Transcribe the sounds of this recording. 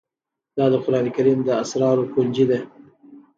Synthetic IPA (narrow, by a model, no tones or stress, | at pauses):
d̪ɑd̪əxʊɾɑnekaɾiːmd̪əasɾɑɾokund͡ʒid̪e